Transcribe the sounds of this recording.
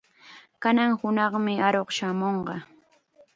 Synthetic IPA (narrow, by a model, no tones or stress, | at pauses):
kanaŋhʊnɑχmɪaɾoqʃamoɴɢɑ